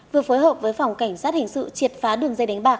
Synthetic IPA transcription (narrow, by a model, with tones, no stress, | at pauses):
vɨ˨˩əfoː˨˦jɦəː˨˩p̚vəː˨˦jfa˨˩wŋ͡mka˧˩jŋ̟saː˦˥t̚hï˨˩ŋ̟sɨ̰˧˨t͡ɕi˨˩ət̚faː˨˦ɗɨ˨˩əŋzə˧jɗa˨˦ŋ̟ɓaː˨˩k̚